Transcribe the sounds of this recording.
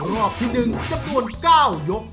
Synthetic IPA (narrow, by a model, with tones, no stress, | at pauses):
ɾɔː˥˩p̚t̪ʰiː˥˩nɯ˧ŋt͡ɕa˧mnu˧ənkaː˥˩wjo˦˥k̚